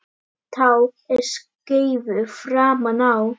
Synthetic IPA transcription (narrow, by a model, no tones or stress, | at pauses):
θʰawɛɾ̥skejvʏfɾaːmanaw